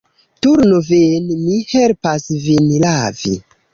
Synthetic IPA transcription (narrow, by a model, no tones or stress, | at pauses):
tuɾnovenmihelpasvinlavḭ